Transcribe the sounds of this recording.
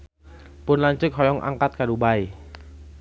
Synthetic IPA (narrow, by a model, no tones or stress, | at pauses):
pʊnlaɲt͡ʃɪk̚ɦɔjɔŋʔa̰ŋkat̪̚kadubai